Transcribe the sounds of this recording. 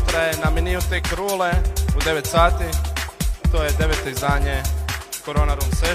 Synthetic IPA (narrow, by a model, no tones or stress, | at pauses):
t̪ɾajenaminiut̪ekɾuːleud̪e̞ʋet̪saːt̪i | t̪oːjed̪e̞ʋeːt̪o̞izd̪aːɲe̞koɾoːnaɾunse